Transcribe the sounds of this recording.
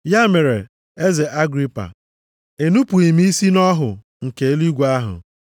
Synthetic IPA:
ja˦me˨ɾe˨ | e˦ze˨ʔa˦ɡɾi˦pa̰˨ | e˨nu˦pu˨i˨mi˦i˦si˦nɔ˦ɦʊ˨ | ŋ̩˨ke˨e˦li˦ɡʷa˦ɦʊ̰˨

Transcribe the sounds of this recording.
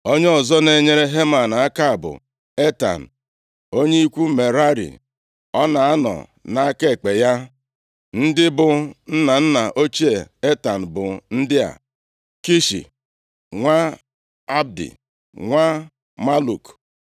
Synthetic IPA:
o˦ɲe˦ɔ˨zɔ˦ne˨˦ɲe˦ɾe˦ɦe˦ma˨n˨a˦ka˦˨bʊ̰˨ | e˦ta̰˨n̩˨ | o˦ɲe˦i˦kʷu˦me˨ɾa˦ɾḭ˨ | ɔ˦na˨a˦nɔ̰˨ | na˨a˦ke˦˨k͡pe˨ja˦ | n̩˦dɪ˦bʊ˨n̩˦na˨n̩˦na˨ʔo˦t͡ʃi˦e˨e˦ta˨n̩˨bʊ˨n̩˦dɪ˦a̰˨ | ki˦ʃḭ˨ | ŋʷa˦ | a˦b̚dḭ˨ | ŋʷa˦ | ma˦lu˨k

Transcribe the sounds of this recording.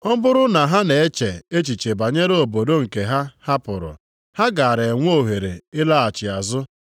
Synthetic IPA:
ɔ˦bʊ˦ɾʊ˦na˨ɦa˦ne˨e˦t͡ʃe˨e˦t͡ʃi˨t͡ʃe˨ba˨ɲe˦ɾo˨bo˨do˦ŋ̩˨ke˨ɦa˦ha˦pʊ˨ɾʊ̰˨ | ha˦ɡa˨a˨ɾe˨ŋʷ˦o˦˨ɦe˨ɾe˨ɪ˦la˦a˨t͡ʃɪ˨a˨zʊ˦

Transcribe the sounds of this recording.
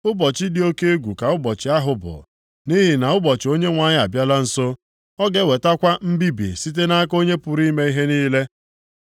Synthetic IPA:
ʊ˦bɔ˨t͡ʃɪ˦dɪ˨o˦ke˦e˦ɡʷu˨ka˨ʊ˦bɔ˨t͡ʃɪ˨a˦ɦʊ˨bʊ̰˨ | ni˦ɦi˨na˨ʊ˦bɔ˨t͡ʃɪ˨o˦ɲe˦ŋʷa˨ɲɪ˦a˨bja˦la˦n̩˨so˦ | ɔ˦ɡe˦we˨ta˦kʷa˦m̩˦bi˦bi˨si˦t̬e˦na˦a˦ko˦ɲe˦pʊ˨ɾi˦me˦i˦ɦe˦niː˦le˦

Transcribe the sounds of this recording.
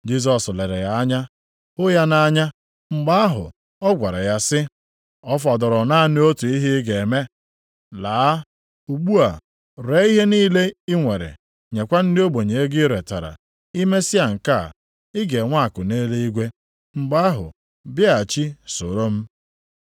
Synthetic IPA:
d͡ʒi˦s̬ɔ˨sle˨ɾḛ˨ja˨a˦ɲa˦ | ʊ˦ja˦na˦ɲa˦ | ŋ͡m̩˦ɡ͡ba˦a˦ɦʊ̰˨ | ɔ˦ɡʷa˨ɾa˨ja˦sɪ˦ | ɔ˦fɔ˨dɔ˨ɾɔ˨na˦˨n˦o˦tu˨i˦ɦɪ˦ɡe˨me˦ | laː˨˦a˦ | u˨ɡ͡bu˦a˨ | ɾe˨˦i˦ɦe˦niː˦le˦ɪ˦ŋʷe˨ɾḛ˨ | ɲe˨kʷa˦n̩˦dɪ˦o˦ɡ͡bo˨ɲe˨e˦ɡɪ˦ɾe˨ta̰˨ɾa̰˨ | i˦me˦sɪ˦a˨ŋ̩˨ka̰˦˨ | ɪ˦ɡe˨ŋʷa˦a˨kʊ˨ne˦le˦i˦ɡʷe˦ | ŋ͡m̩˦ɡ͡ba˦ɦʊ̰˨ | bja˨t͡ʃi˦so˨ɾo˦m̩˦

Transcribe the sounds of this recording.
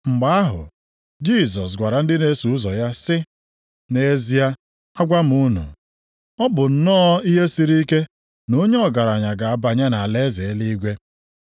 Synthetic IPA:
ŋ͡m̩˨ɡ͡ba˦a˦ɦʊ̰˨ | d͡ʒi˦˨s̬ɔ˨s̬ɡʷa˨ɾa˨n̩˦dɪ˦ne˦su˨˦zɔ˨ja˦sɪ˦ | ne˨˦zi˦ja˦ | a˦ɡʷa˦m̩˨u˦nṵ˨ | ɔ˦bʊ˨n̩˦nɔː˦i˦ɦe˦si˨ɾi˦ke˦ | no˦ɲe˦ɔ˨ɡa˨ɾa˨ɲa˨ɡa˨a˦˨ba˨ɲe˦na˨le˦ze˨˦li˦i˦ɡʷe˦

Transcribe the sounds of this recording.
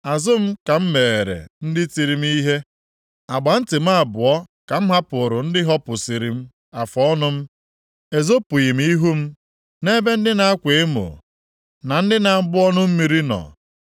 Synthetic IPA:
a˨zʊ˦m̩˦ka˨m̩˦me˨e˨ɾḛ˨n̩˦dɪ˦ti˨ɾi˨m̩˦i˦ɦe˦ | a˨ɡ͡ba˨n̩˦tɪ˨m̩˦a˦˨bʊ˨ɔ˦ | ka˨m̩˦ɦa˦pʊ˨ɾʊ˨n̩˦dɪ˦ɦɔ˦pʊ˨si˨ɾi˨m̩˦ | a˨fɔ˦ɔ˦nʊ˦m̩˦ | e˨zo˦pʊ˨ji˨m̩˦i˦ɦu˦m̩˦ | ne˦be˦n̩˦dɪ˦na˨a˦kʷe˨e˦mo̰˨ | na˨n̩˦dɪ˦na˨m̩˦bʊ˦ɔ˦nʊ˦m̩˦mi˨ɾi˦nɔ̰˨

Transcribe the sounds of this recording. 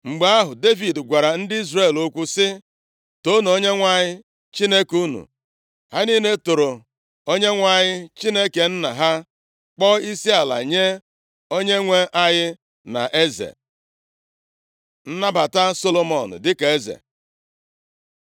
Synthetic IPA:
ŋ͡m̩˨ɡ͡ba˨˦a˦ɦʊ˨de˦vi˨dɡʷa˨ɾa˨n̩˦dɪ˦i˦zre˦˨lo˦kʷu˦sɪ˦ | to˦nu˨o˦ɲe˦ŋʷa˦ɲɪ˦ | t͡ʃi˦ne˦ku˦nṵ˨ | ha˦niː˦ne˦to˨ɾo˨ | o˦ɲe˦ŋʷa˨ɲɪ˦t͡ʃi˦ne˦ke˨n̩˦na˨ɦa˦ | k͡pɔ˦i˦si˦a˨la̰˨ɲe˦ | o˦ɲe˦ŋʷe˦ʔa˦ɣɪ˦ | na̰˨ʔe˦zḛ˨ | n̩˦na˦ba˨ta˦so˦lo˦mɔ˨n̩̰˨dɪ˦ka˨e˦zḛ˨

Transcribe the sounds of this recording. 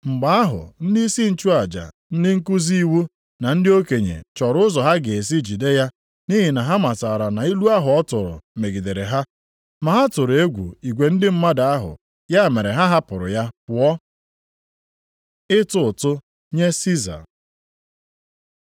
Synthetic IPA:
ŋ͡m̩˨ɡ͡ba˨a˦ɦʊ̰˨n̩˦di˦i˦si˦n̩˨t͡ʃu˦a˨d͡ʒa̰˨ | n̩˦dɪ˦ŋ̩˦ku˦zi˦i˦wu˦ | na˨n̩˦dɪ˦o˦ke˨ɲḛ˨t͡ʃɔ˨ɾʊ˦ʊ˦zɔ˨ɦa˦ɡe˨e˨s̬i˦d͡ʒi˨de˦ja˦ | ni˦ɦi˨na˨ɦa˦ma˨ta˨ɾa˨na˨i˦lu˦a˦ɦʊ˨ɔ˦tʊ˨ɾʊ̰˨me˨ɡi˨de˨ɾe˨ɦa˦ | ma˨ɦa˦tʊ˨ɾe˦ɡʷṵ˨i˨ɡʷe˨n̩˦dɪ˦m̩˦ma˦da˨a˦ɦʊ̰˨ | ja˦˨me˨ɾe˨ɦa˦ɦa˦pʊ˨ɾʊ̰˨ja˦pʊ˨ɔ˦ | ɪ˦tʊ˦˨tʊ˦ | ɲe˦si˦za̰˨ɾ

